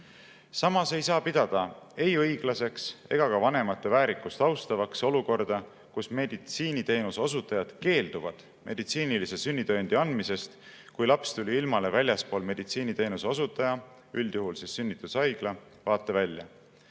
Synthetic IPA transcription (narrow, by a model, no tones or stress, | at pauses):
sɑmɑse̞jsɑːpid̪̥ɑd̪̥ɑ | e̞jɤjɡ̥lɑse̞kse̞ɡ̥ɑkɑvɑne̞mɑt̪ːˑevæːɾikːˑust̪ɑwst̪ɑvɑkso̞luko̞rd̪̥ɑ | kusme̞d̪̥it̪siːnit̪e̞ːnuseo̞sut̪ːˑɑjɑd̪̥ke̞ːld̪̥uvɑd̪̥ | mʔe̞d̪̥it̪siːnilisesynʲːit̪ønd̪̥iɑnd̪̥mise̞st̪ | kujlɑpst̪ulʲiilmɑle̞vælʲjɑspo̞ːlme̞d̪̥it̪siːnit̪e̞ːnuseosut̪ːˑɑjɑ | yld̪̥juɦulsesːynːit̪ːˑusɑjɡ̥lɑ | vɑːt̪ːˑevælʲjɑ̰